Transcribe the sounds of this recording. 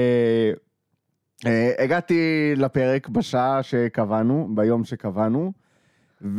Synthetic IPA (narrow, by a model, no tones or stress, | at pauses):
e | eeɡat̪ilape̞ʁekbaʃaaʃe̞kavanubajo̞mʃekavanu | v